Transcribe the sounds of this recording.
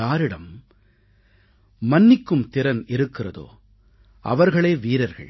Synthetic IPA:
aːɾɪɽɐm | ɐnːɪkːɯmt̪ɪɾɐnɪɾɯkːɪrɐðo̰ː | ʔɐ̰ʋɐɾɣɐɭeːʋiːɾɐɾɣɐ̰ɭ

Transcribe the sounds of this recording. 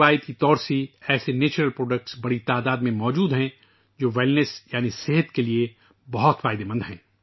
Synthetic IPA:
aːjət̪kit̪ɔːɾseɛːseneːt͡ʃɾəlpɾoːɖək̚ʈsbɐɽit̪aːd̪aːd̪mẽmɔːd͡ʒuːd̪ɦɛ̃ | d͡ʒoːʋɛːlnəsjaːniseɦət̪kelie | bɐɦʊt̪faːɪd̪emɐ̃nd̪ɦɛ̰̃ː

